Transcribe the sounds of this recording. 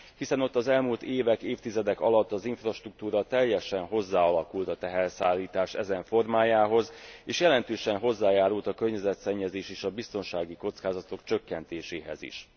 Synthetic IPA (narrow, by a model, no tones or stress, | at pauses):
hisɛno̞t̪ːɒzɛlmuːlt̪eːvɛkeːft̪izɛd̪ɛkɒlɒt̪ːɒziɱfrɒʃt̪ruk̚t̪uːɾɒt̪ɛjːɛʃɛnɦo̞zːaːɒlɒkult̪ɒt̪ɛɦɛrsaːlːiːt̪aːʃɛ̰zɛɱfo̞rmaːjaːɦo̞zeːʃjɛlɛnt̪øːʃɛnɦo̞zːaːjaːɾult̪ɒkørɲɛzɛt̪sɛɲːɛzeːʃeːʃɒbist̪o̞nʃaːɡiko̞t̪skaːzɒt̪o̞kt͡ʃø̞kːɛnt̪eːʃeːɦɛ̰zḭʃ